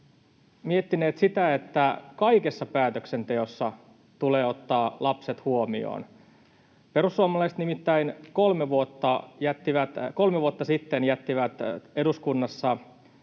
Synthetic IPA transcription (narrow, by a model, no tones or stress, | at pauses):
miet̪ːineːt̪sit̪æet̪ːækɑike̞sːɑpæːt̪økse̞nt̪e̞osːɑ | t̪uleːo̞t̪ːɑːlɑpse̞t̪huomio̰ːn | pe̞ɾusːuɑmɑlɑist̪nimit̪ːæinko̞lmeʋuot̪ːɑjæt̪ːiʋæt̪kolmeʋuot̪ːɑsit̪ːenjæt̪ːiʋæt̪e̞duskunːɑsːɑ